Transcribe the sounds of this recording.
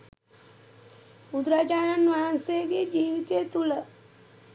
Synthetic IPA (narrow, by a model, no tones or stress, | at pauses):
ud̪ɾad͡ʒanɐnʋaːnseɡed͡ʒiːʋit̪jet̪ulə